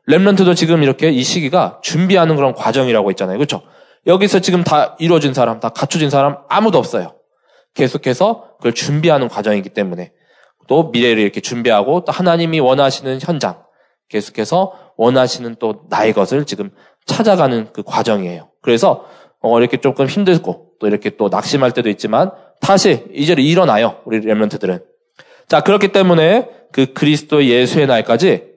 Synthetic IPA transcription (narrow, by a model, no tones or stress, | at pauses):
le̞mnʌntʰɯdot͡ɕiɡɯmiɾʌkʰe̞iɕʰiɡiɡat͡ɕumbiɦanɯnkɯɾʌnkwad͡ʑʌŋiɾaɡoɦet̚t͡ɕ͈anajokɯt͡ɕʰo | jʌɡisʰʌt͡ɕiɡɯmtaiɾʌd͡ʑunsʰaɾamtakat͡ɕʰʌd͡ʑinsʰaɾamamudoʌp̚s͈ʌjo | ke̞sʰokʰe̞sʰʌkɯʌɭt͡ɕumbiɦanɯnkwad͡ʑʌŋiɡit͈e̞mune̞ | t͈omiɾe̞ɾɯɭiɾʌkʰe̞t͡ɕumbiɦaɡot͈ohanaɲimiwʌnɦaɕʰinɯnçjʌnd͡ʑa̰ŋ | ke̞sʰo̥kʰe̞sʰʌ | wʌnɦaɕʰinɯnt͈onaeɡʌsʰɯɭt͡ɕiɡɯm | t͡ɕʰad͡ʑaɡanɯnkɯkwad͡ʑʌŋie̞̰jokɯɾe̞sʰʌ | ʌiɾʌkʰe̞t͡ɕ͈ok͈ɯmçimdɯɭk͈ot͈oiɾʌkʰe̞t͈ona̰k̚ɕ͈imɦaɭt͈e̞doit̚t͡ɕ͈iman | sʰaɕʰiid͡ʑe̞ɾɯiɾʌnajouɾiemʌntʰɯdɯɾɯn | t͡ɕakɯɾʌkʰit͈e̞mune̞ | kɯkɯɾisʰɯ̥t͈oeje̞sʰue̞naek͈ad͡ʑi